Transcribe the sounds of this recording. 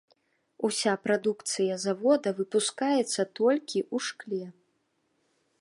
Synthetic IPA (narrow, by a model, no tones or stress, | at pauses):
usʲapɾad̪ukt̪sɨjɐzavɔd̪ɐvɨpuskajɛt̪sːɐt̪ɔlʲkʲiʔuʂklʲɛ